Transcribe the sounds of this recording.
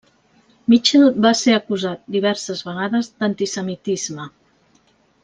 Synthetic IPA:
mit͡ʃelbaseəkuzat̪̚d̪iβ̞ɛɾsəzβəɣ̞aðəzd̪ənt̪isəmit̪izmə

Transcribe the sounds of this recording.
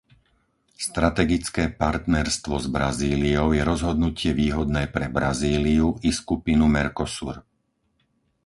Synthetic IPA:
st̪ɾat̪ɛɡit͡skɛːpaɾt̪nɛɾst̪ʋɔzbɾaziːliɔʊjɛɾɔzɦɔd̪nucɪɛʋiːɦɔd̪nɛːpɾɛbɾaziːliuiskupinumɛɾkɔsṵɾ

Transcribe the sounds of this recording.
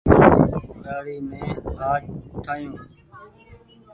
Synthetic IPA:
ɗaːɽiːmẽːaːd͡ʒʈ̪ʰaːijũː

